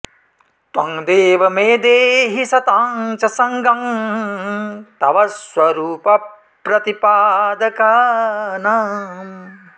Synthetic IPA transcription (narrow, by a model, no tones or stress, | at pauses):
t̪wɐŋd̪eːʋɐmeːd̪eːɦisɐt̪aːŋt͡ʃɐsɐŋɡɐm | t̪ɐʋɐswɐɾuːpɐ | pɾɐt̪ipaːd̪ɐkaːnam